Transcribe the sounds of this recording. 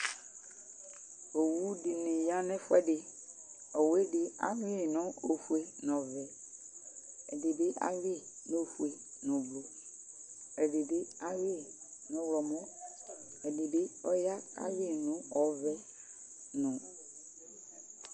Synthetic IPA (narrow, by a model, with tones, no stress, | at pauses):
o˨wu˦di˨nĩ˨jã˦nɛ̃˦fʊ˦ɛ˦ɖɪ˨ | ɔ˨we˦ɖɪ˨a̰˨wĩ˦e˦˨nɔ̃˦o˨fu˨e˨nɔ̃˨vɛ˨ | ɛ˨de˨be˦ʔa̰˦wi˦no˦˨fu˨e˨nɔ̃˨blo˨ | ɛ˨ɖe˨bɪ˦a˦we˦˨nɔ̃˨wlɔ˨mɔ̃˦ | ɛ˨de˨be˦ɔ˦ja˦a̰˦wi˦nũ˦ɔ˨vɛ˦ | nɔ̃˨